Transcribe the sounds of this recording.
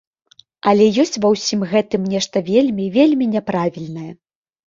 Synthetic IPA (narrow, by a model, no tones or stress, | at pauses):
ɐlʲɛjɔsʲt͡sʲvɐwsʲimɣɛt̪ɨmnʲɛʂt̪ɐvʲelʲmʲivʲelʲmʲinʲɛpɾavʲilʲnɐjɐ